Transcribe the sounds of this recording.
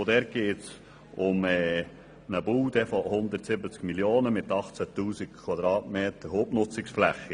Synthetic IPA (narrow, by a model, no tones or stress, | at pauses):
od̪ɛɾt̚ɡ̥eːts | ʊmɛː | nəbuːd̪ɛfɔhʊnd̪əɾtsɪbət͡skmiljoːnəmɪt̪ɑχt͡sæt̪uːsik̚kʰwɑd̪ɾɑːtmeːt̪əɾhoːbnʊt͡sɪksflæχːi